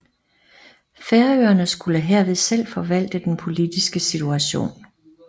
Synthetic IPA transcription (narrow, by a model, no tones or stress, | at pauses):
feɐøːɐnəsɡ̥uləɦeɐ̰ʋe̝ðˠsel̰fɒ̽ʋæl̰d̥əd̥enpʰo̝lid̥isɡ̥əsit͡sʰuæɕo̝̰ːn